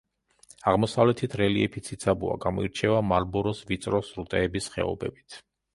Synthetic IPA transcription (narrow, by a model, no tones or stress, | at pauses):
aʁmɔsavlɛt̪ʰit̪ʰɾɛliɛpʰit̪sʰit̪sʰabua̰ɡamɔiɾt͡ʃʰɛvamaɾbɔɾɔsvit̪sʼɾɔsɾut̪ʼɛːbisχɛ̰ɔ̰bɛbit̪ʰ